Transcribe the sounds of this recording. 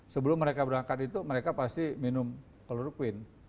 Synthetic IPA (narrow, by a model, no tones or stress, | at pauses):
səbəlʊmːəɾekabəɾaŋkat̪it̪uməɾekapast̪iminʊm | kəluɾukwɪn